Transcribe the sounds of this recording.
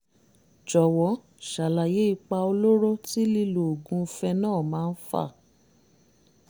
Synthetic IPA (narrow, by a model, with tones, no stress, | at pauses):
d͡ʒɔ˨wɔ˨˦ | ʃa˨la˨je˨˦i˦˧k͡pa˧o˧lo˦ɾo˦ti˦li˦˧lo˨o˨ɡũ˨˧fɛ˧nãː˦˨mãː˨˦˧n̩˦fa̰˦˨